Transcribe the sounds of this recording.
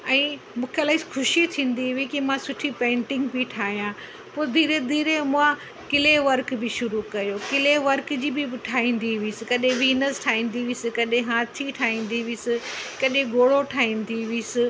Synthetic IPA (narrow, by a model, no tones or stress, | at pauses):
ɛ̃ː | mũːkʰelaːɪsxʰʊʃit̪ʰĩːn̆d̪iʋikimãsʊʈʰipẽːɳʈɪ̃ŋɡbiʈʰaːɦijã | pʊːɾd̪ʱiːɾed̪ʱiːɾemʊã | kɪleʋɐɾkbɪʃʊɾukɐjokɪleʋɐɾkd͡ʑiːbɪʈʰaːɦĩːnd̪iʋisɪkɐɗẽʋiːnəsʈʰaːɦĩːnd̪iʋiːsɪkɐɗẽɦaːt̪ʰiʈʰaːɦĩːn̆d̪iʋiːsɪkɐɗẽɡoːɽoʈʰaːɦĩːnd̪iʋiːsɪ